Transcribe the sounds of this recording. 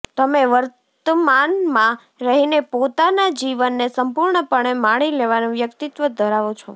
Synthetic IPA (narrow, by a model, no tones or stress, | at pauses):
t̪əmeʋəɾt̪əmanmã | ɾəɦinepot̪anad͡ʒiʋənːesəmpuɾɳəpəɳemaɽ̃ileʋanũʋjəkt̪it̪ʋəd̪ʱəɾaʋõt͡ʃʰɔ